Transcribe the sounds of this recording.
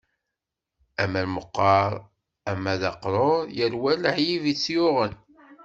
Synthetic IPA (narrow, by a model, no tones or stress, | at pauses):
æmælməqːɑɾˤ | æmːæðɑqɾˤoɾˤjəɾwæləħjivit͡sːjʊʁən